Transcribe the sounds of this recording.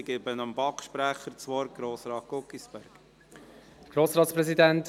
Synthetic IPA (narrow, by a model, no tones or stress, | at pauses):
ɡ̥ebənɑmbɑkʃpɾæχəɾt͡sʋɔɾ̚ɡ̥ɾoːsɾɑːt̚ɡ̥ɔkːisb̥æɾɡ | ɡ̥ɾoːsɾɑːtspɾɛzidænt